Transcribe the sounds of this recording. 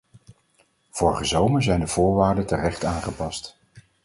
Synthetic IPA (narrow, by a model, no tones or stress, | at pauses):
v̥ɔɹχəzowməɹzɛjndəv̥ʊːɹʋaːɹdətərɛχtaːnχəpɑst